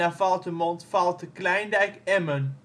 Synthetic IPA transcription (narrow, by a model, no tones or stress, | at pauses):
afɑlˠtəmɔntfɑlˠtəklɛjndɛjkɛmən